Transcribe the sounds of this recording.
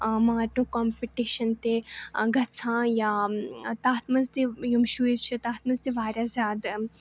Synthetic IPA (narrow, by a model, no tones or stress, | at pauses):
maːɾʈũkɔːmpiʈiːʃɐnt̪eɡɐt͡sʰãːjaːt̪aːt̪ʰmɐzt̪ejumʃuːiɾt͡ʃʰit̪aːt̪ʰmɐzd̪eʋaːɾʲjazʲaːd̪